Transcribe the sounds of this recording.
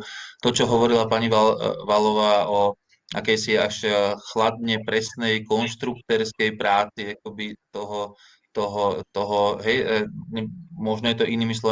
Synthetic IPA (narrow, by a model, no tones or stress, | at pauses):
t̪ɔt͡ʃɔɦɔʋɔɾilapaɲiʋaʋalɔʋaːɔ | ʔa̰kɛjsiaʃxlad̪̚ɲɛpɾɛsnɛjkɔnʃt̪ɾuk̚t̪ɛɾskɛjpɾaːt͡siak̚ɔbit̪ɔɦɔ | t̪ɔɦɔt̪ɔɦɔɦɛjɲɛmɔʒnɔjɛt̪ɔʔiniːmis̬lˠɔ